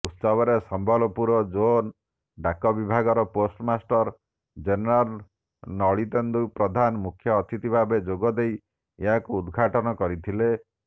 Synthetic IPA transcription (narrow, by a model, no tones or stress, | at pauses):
ut̪sɔbɔɾesɔmbʱɔlɔpuɾɔd͡ʒon | ɖakɔbibʱaɡɔɾɔposʈmasʈɔɾ | d͡ʒenɔɾal | nɔɭit̪end̪upɾɔd̪ʱanmukʰjɔːt̪ʰit̪ibʱabed͡ʒoɡɔd̪ej | eɦakuːd̪ɡʱaʈɔnɔkɔɾit̪ʰile